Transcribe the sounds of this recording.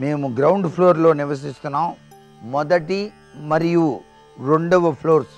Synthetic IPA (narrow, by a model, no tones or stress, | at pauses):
me̞ːmuɡɾɐwɳɖpʰloːɾlo̞ːniʋɐs̬ist̪unːaːm | mɔd̪ɐʈi | mɐɾiju | ɾoɳɖɐʋɐpʰloːɾs